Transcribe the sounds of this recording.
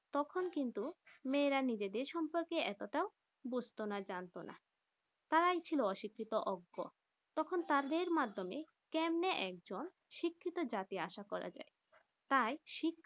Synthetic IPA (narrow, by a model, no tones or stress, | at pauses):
t̪ɔkʰonkint̪umeːɾanid͡ʑed̪eɾʃɔmpoɾkeɛt̪oʈao | bud͡ʑʱt̪onad͡ʑant̪ona̰ | t̪aɾajt͡ɕʰiloɔʃikʰːit̪oʔɔɡːo̰ | t̪ɔkʰont̪aɾd̪eɾmad̪ʱːomḛ | kɛmneʔɛk̚d͡ʑon | ʃikʰːit̪od͡ʑat̪iaʃakɔɾa̰d͡ʑa̰e | t̪ajʃikʰː